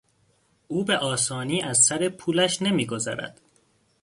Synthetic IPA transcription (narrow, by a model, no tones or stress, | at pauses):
ʔuːbe̞ʔɒːsɒːniːʔæzsæɾe̞pʰuːlæʃne̞miːɡo̞zæ̰ɾæ̰d̪̥